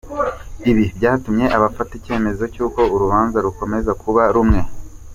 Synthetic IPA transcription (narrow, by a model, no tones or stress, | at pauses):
iβibɟaːtumɲe̞ʔaβafatice̞ːme̞zo̞cuːko̞uɾuβaːnzaɾuko̞me̞zakʰuβaɾumŋe̞